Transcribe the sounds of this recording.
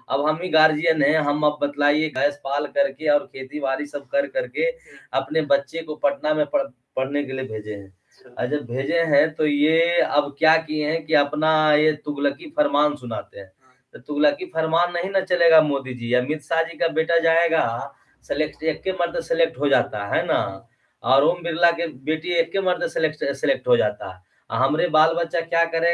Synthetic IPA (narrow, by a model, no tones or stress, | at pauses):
ɐ̰bɦɐmɦiɡaːɾd͡ʒijənɦɛ̃ɦɐmɐb̚ːət̪laːieɡaəspaːlkəɾkeɔːɾkʰeːt̪iʋaːɾisəb̚kɐɾkəɾkeɐpnebətːʃekopəʈnamẽpəɽ | pɐɽ̤nekeliebʱeːd͡ʒeɦɛ̰̃ | d͡ʒəbbʱeːd͡ʒeɦɛ̃t̪ojeɐbkjakiẽɦɛ̃kiɐpnajet̪ʊɡləkipʰəɾmaːnsʊnaːt̪eɦɛ̃ː | t̪ot̪uɡləkipʰəɾmaːnːəɦĩnat͡ʃəleɡamoːd̪id͡ʒiamɪt̪saɦd͡ʒikabeʈad͡ʒaeɡa | selekʈekːeməɾd̪selek̚ʈɦod͡ʒat̪a̰ɦɛna | ɔːɾombɪɾlakebeːʈiekːeməɾd̪selekʈselek̚ʈɦod͡ʒaːt̪a̰ɦɛ̰ | a̰ɦəmɾebaːlbətːʃakjakəɾe